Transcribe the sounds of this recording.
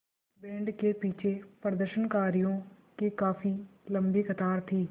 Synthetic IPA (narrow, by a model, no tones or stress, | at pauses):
bɛ̃ːɳɖkeːpiːt͡ʃʰeːpəɾd̪əɾʃənkaːɾijõː | kekaːfʰiːləmbiːkʰət̪aːɾt̪ʰiː